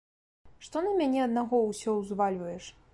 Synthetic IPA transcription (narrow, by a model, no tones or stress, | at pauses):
ʂt̪ɔnɐmʲanʲɛɐd̪naɣɔwsʲɔwzvalʲvɐjɛʂ